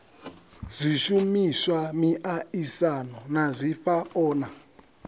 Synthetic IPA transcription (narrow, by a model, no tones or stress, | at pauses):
z̥ʷiʃumisamiʔaisanɔnazʷiɸaɔːna